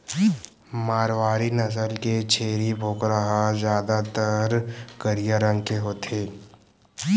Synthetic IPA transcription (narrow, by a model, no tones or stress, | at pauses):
maːɾwaːɾinɐs̬əlket͡ʃʰeːɾibʱoːkɾəɦazjaːd̪at̪əɾkəɾijaɾə̃ŋɡkeɦoːt̪ʰeː